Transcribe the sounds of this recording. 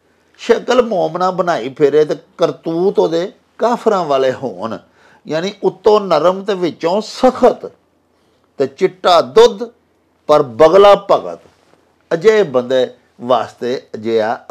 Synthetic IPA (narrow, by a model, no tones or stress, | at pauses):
ʃəkəlmoːmnãːbənaːiːpʰɪɾeːt̪eːkəɾt̪uːt̪õːd̪eː | kaːpʰɾãːʋaːleːho̰ːn | jaːniːʔʊt̪ːõːnəɾəmt̪eːʋɪt͡ʃːõːsəkʰət̪ | t̪eːt͡ʃɪʈːaːd̪ʊd̪ | pəɾbəɡlaːpəɡə̰t̪ | əd͡ʒeːbənd̪ɛː | ʋaːst̪eːəd͡ʒeːaː